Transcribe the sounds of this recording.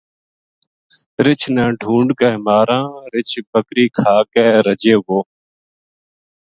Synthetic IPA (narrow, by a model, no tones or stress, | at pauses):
ɾɪt͡ʃʰnɛ̃ːɖʱũːɳɖkəɦmaːɾãːɾɪt͡ʃʰbəkɾiːkʰaːkɛːɾəd͡ʒeːʋoː